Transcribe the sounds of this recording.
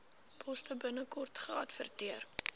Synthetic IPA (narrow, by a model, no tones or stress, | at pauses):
pʰɔstəbənəkɔrtχəɐtfə̰rtiər